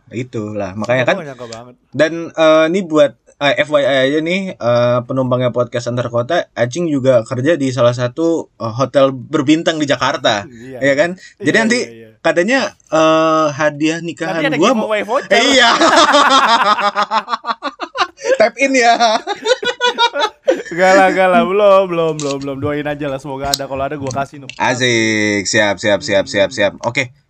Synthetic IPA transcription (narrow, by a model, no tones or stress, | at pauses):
it̪ula̰hmakaɲakan | danəːnibuat̪̚ | əʔɛfwajajad͡ʒanɪhəːpənumbaŋɲapot̪̚kɛst̪ant̪aɾakot̪aʔad͡ʒɪŋd͡ʒuɡakərd͡ʒadis̬alas̬at̪uəɦot̪ɛlbərbint̪aŋdid͡ʒakart̪ajakand͡ʒadiant̪ikat̪aɲa | əɦadiahnikaɦaɡuaajfoija | t̪ɛp̚ɪnja | ɡalaɡalabəlombəlombəlombəlʊmduaɪnad͡ʒalahsəmoɡaːdakaloadaɡuakasɪʔa̰zɪksiapsiapsiap̚siap̚siap̚o̰ke